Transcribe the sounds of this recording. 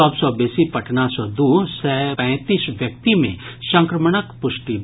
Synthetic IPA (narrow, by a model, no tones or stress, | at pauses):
ɔbsɔbeːsipɐʈʰnasɔd̪usɛpɛ̃t̪iːsʋjɐk̚t̪imḛ̃ʃə̃ŋkɾəməɳ̃əkpʊʃʈi